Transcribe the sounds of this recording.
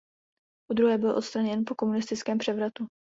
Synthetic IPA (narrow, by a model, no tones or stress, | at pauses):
ʔud̪ɾuɦɛːbɪlʔo̞t̪st̪ɾaɲɛnpo̞ko̞munɪst̪ɪt͡skɛːmpr̥ɛvɾat̪u